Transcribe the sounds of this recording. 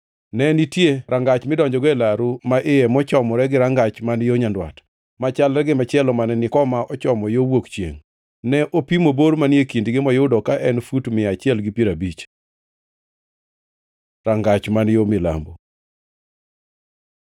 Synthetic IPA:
nɛnitjeɾʔaŋɡat͡ʃmɪdɔɲd͡ʒɔɡɔɛlaɾumaʔɪjɛmɔt͡ʃɔmɔɾɛɡɪɾaŋɡat͡ʃmanjoɲandwa̰t | mat͡ʃalɾɛɡɪmat͡ʃɪɛlɔmanɛnɪkɔmaʔɔt͡ʃɔmɔjowokt͡ʃjḛŋ | nɛʔopimoboɾmanjekindɡɪmɔjʊdɔkaʔɛnfutmɪat͡ʃɪɛlɡɪpiɾabit͡ʃ | ɾaŋɡat͡ʃmanjomɪla̰mbo

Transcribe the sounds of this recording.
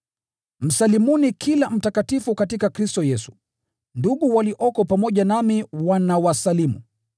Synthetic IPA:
m̩salimunikʰilam̩takatifukatikakɾistɔjɛsu̥ | nduɠuwaliʔɔkɔpamɔʄanamiwanawasalimṵ

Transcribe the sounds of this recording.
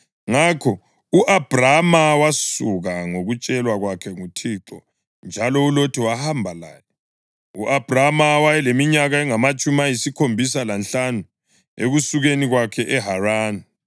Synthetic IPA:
ŋakʰɔ | uʔab̥ʱramawasuɣaŋoɣut͡ʃʼɛlwaɣwakʰɛŋutʰiǁɔ̰ | nd͡ʒʱalɔulotʰiwahambʱala̰ːjɛ | uʔab̥ʱramawajɛlemiɲaɣaɛŋamat͡ʃʼumajisikʰombʱis̬alanɬanu | eɣusuɣeniɣwakʰɛʔɛɦaraːni

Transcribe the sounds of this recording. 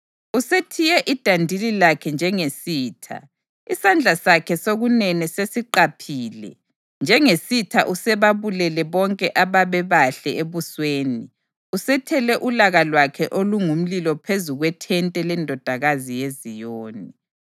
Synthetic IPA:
usetʰijɛʔid̥ʱandʱililakʰɛnd͡ʒʱɛŋesiːtʰa̰ | isand͡ɮʱasakʰɛsoɣunɛnɛsesiǃapʰiːlɛ̰ | nd͡ʒʱɛŋesitʰaʔusɛβaβulɛlɛβɔŋkʼɛʔaβaβɛβaɬɛeβusweːni | usɛtʰɛlɛʔulaɣalwakʰɛʔoluŋum̩lilɔpʰezuɣwɛtʰɛntʼɛlɛndʱɔd̥ʱaɣazijezijoːni

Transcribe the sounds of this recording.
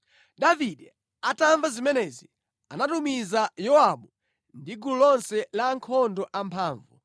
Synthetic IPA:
ɗaviɗɛ | ataɱvazimɛnɛzi | anatumizajɔaɓu | ndiɡululɔnsɛlaŋkʰɔndɔʔampʰaːɱvṵ

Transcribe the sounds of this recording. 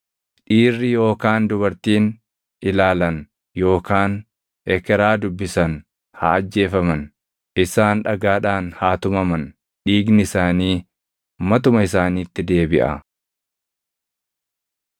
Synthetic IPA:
ᶑiːrːɪjo̞ːkaːnd̪ʊbɐɾt̪iːn | ʔɪlaːlɐn | jo̞ːkaːn | ɛkɛɾaːd̪ʊbːɪsɐn | hɐ̰ːd͡ʒːe̞ːfɐmɐn | ʔɪsaːnᶑɐɡaːᶑaːnhaːt̪ʊmɐmɐn | ᶑiːɡnɪɪsaːniː | mɐt̪ʊmɐɪsaːniːt̪ːɪd̪e̞ːbɪʔɐ̰

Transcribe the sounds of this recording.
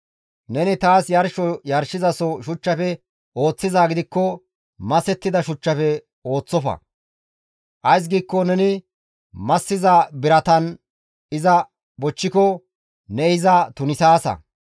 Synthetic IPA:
nɛnɪt̪aːsjɐɾʃɔjɐɾʃɪzɐsɔʃʊt͡ʃːɐfɛ | o̞ːt͡sːɪzaːɡɪd̪ɪkːɔ | mɐsɛt̪ːɪd̪ɐʃʊt͡ʃːɐfɛ | o̞ːt͡sːɔfɐ̰ | ʔɐjs̬ɡiːkːɔnɛnɪ | mɐsːɪzabɪɾɐt̪ɐn | ɪzɐ | bɔt͡ʃːɪkɔ | nɛɪzɐt̪ʊnɪsaːsɐ̰

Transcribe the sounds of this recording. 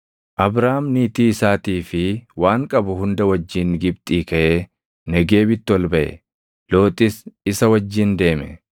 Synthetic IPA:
ʔɐbɾaːmniːt̪iːɪsaːt̪iːfɪwaːŋkʼɐbʊɦʊnd̪ɐwɐd͡ʒːiːŋɡɪbt̪ʼiːkɐʔeː | nɛɡeːbɪt̪ːɪwɐlbɐʔɛ̰ | lo̞ːt̪ʼɪsɪsɐwɐd͡ʒːiːnd̪e̞ːmɛ̰

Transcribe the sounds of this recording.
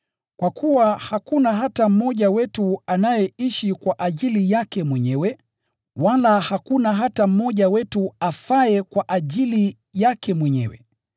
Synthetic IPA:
kwakʰuwahakunaɦatam̩mɔʄawɛtuanajɛiʃikwaʔaʄilijakɛmwɛɲɛwɛ | walahakunaɦatam̩mɔʄawɛtuafaɛkwaʔaʄili | jakɛmwɛɲɛ̰wɛ̰

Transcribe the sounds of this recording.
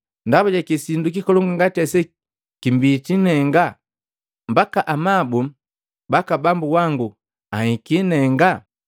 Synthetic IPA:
ndabuɟakisinduk̬ikɔlɔŋɡuŋɡatɛsɛ | kimbiːt͡ʃinɛŋɡa | mbakaʔamabu | bakabambuwaŋɡu | ahikinɛŋɡa

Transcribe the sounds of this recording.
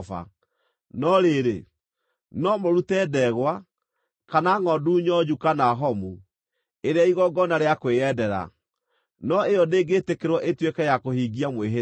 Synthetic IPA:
fa̰ | nɔɾeɾḛ | nɔmoɾutɛdɛɣwa | kanaŋɔduɲɔd͡ʒukanaɦɔmu | eɾeaiɣɔɡɔnaɾeakweɛdɛɾa̰ | nɔejɔdeːɡeːtekeɾwɔʔetwekɛjakohiɡiamweɦe

